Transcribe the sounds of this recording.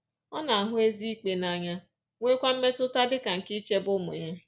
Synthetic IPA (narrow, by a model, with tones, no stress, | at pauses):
ɔ˦na˨a˨ɦʊ˦e˦zi˦i˦k͡pe˨na˦ɲa˦ | ŋʷe˦kʷa˦m̩˦me˦tʊ˦ta˦dɪ˦ka˨ŋ̩˨ki˦t͡ʃe˦bʊ˦mʊ̰˨ɲa˦